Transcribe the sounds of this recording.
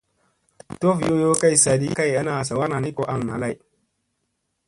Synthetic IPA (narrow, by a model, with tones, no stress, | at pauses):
to˦fjo˦jo˦ka˦jsa˨di˦ka˦˨ja˦na˨sa˨wa˦na˨ni˦ko˦ʔa˨ŋna̰˨la˦˨j